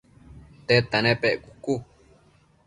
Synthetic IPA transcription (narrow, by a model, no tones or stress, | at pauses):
t̪et̪anẽpeʔkuku